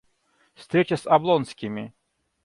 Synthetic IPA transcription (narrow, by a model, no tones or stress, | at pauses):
fst̪ɾʲet͡ɕɐsɐblˠɔnsʲkʲɪmʲɪ